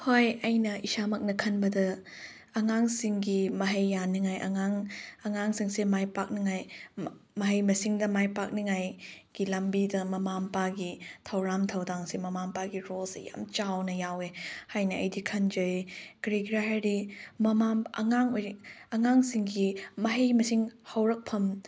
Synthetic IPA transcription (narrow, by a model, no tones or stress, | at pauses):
hojɐjnɐisamɐk̚nɐkʰɐnbɐdɐː | ŋaŋsiŋɡimɐɦɐjːaniŋajʔɐ̰ŋaŋɐŋaŋsiŋsemajpak̚niŋaj | mɐɦɐjmɐsiŋdɐmajpak̚niŋajɡ̥ilɐmbidɐmɐmampaɡitʰɐwɾamtʰɐwdaŋsemɐmampaɡiɾolseja̰mt͡ʃawnɐjawehajnɐɐjdikʰɐnd͡ʒɐjɡɾiɡɾaɦajɾimɐmamɐ̰ŋaŋojɾiɐŋaŋsiŋɡimɐɦɐjmɐsiŋhɐwɾɐk̚pʰɐm